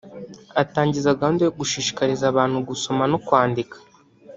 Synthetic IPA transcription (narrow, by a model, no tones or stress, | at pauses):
ataːɲɟizaɡaundujoɡuʃiːʃi̥kaɾizaβaːn̥huɡuso̞mano̞kwaːndikḁ